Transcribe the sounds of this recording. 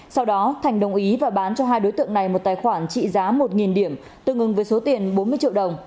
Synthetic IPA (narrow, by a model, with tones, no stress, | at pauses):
sa˧wɗɔ˨˦t̪ʰa˨˩ŋ̟ɗə˨˩wŋ͡mʔi˨˦vaː˨˩ɓaː˨˦nt͡ɕɔ˧ɦaː˧jɗo˨˦jt̪ɨ̰˧˨əŋna˨˩jmo˨˩t̚t̪aː˨˩jxwaː˧˩nt͡ɕḭ˧˨zaː˨˦mo˨˩t̚ŋi˨˩nɗi˧˩əm | t̪ɨ˨˩ŋʔɨ˨˩ŋvəː˨˦jso˨˦t̪i˨˩ənɓo˨˦nmɨ˧ət͡ɕḭ˧əwɗə˨˩wŋ͡m